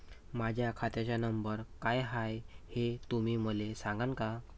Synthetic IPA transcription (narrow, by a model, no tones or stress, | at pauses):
mad͡ʑʱjakʰat̪jat͡ɕjanəmbəɾkajɦajhet̪umiːməlesãŋɡanka